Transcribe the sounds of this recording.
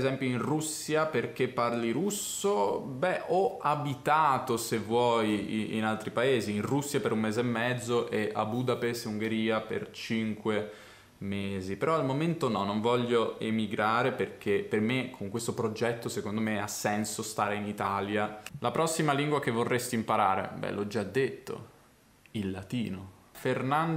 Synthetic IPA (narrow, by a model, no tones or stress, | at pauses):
zɛmpjoinrusːjaperk̟epːarliɾus | obɛʔɔabit̪aːt̪osevwɔjḭnalt̪ɾipaeːziinrusːjapeɾummeːzeemːɛd̪zːoʔɛʔa̰buːd̪apest̪uŋɡeɾiːapḛrt͡ʃiŋkwe | meːzipeɾɔalmoment̪onɔnːoɱvɔʎːoemiɡɾaːɾeperk̟epermekʰoŋkwest̪opɾod͡ʒɛt̪ːosekond̪omeasːɛnsost̪aːɾeinit̪aːljalapɾɔsːimaliŋɡwak̟evːorːest̪impaɾaːɾḛbɛ̰lɔd͡ʒːad̪ːet̪ʰːo̰ | ilːat̪iːno | fernan